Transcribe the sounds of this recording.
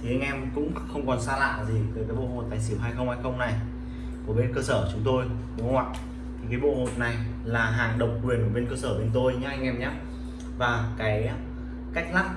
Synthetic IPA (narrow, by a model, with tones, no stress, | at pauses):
t̪ʰi˨˩ʔa˧jŋ̟ʔɛ˧mkʊ̰˧˥ŋ͡mxə˧wŋ͡mkɔ˨˩nsaː˧la̰ː˧˨zi˨˩vəː˨˦jkaː˨˦jɓo̰˧˨ho˨˩t̚t̪aː˨˩si˧˩wɦaː˧jxə˧wŋ͡mha˧jxə˧wŋ͡mna˨˩j | ku˧˩əɓe˧nkəː˧səː˧˩˨t͡ɕʊ˨˦ŋ͡mt̪o˧j | kṵ˧˦hwa̰ː˧˨j | t̪ʰi˨˩kaː˨˦jɓo̰˧˨ho˨˩t̚na˨˩j | laː˨˩ɦaː˨˩ŋɗə˨˩wŋ͡m̚kwi˨˩ənku˧˩ɓe˧nkəː˧səː˧˩ɓe˧nt̪o˧jɲaː˨˦ʔa˧jŋ̟ʔɛ˧mɲaː˨˦ | vaː˨˩kaː˨˦j | ka˦˥jk̟̚laː˦˥t̚